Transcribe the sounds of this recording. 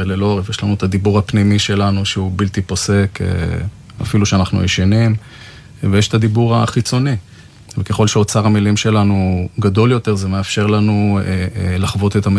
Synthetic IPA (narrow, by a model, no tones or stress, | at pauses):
elelo̞ʁevjeʃlanuet̪ad̪ibuʁapnimiʃe̞lanuʃeubilt̪ipo̞se̞kʰḛ | a̰filuʃeanaχnṵjeʃanim | vejeʃtad̪ibuʁaχit͡so̞ni | vekeχo̞lʃeot͡saʁamilimʃe̞lanuɡad̪o̞ljo̞t̪e̞ʁzeme̞afʃe̞ʁlanu | laχvo̞t̪et̪am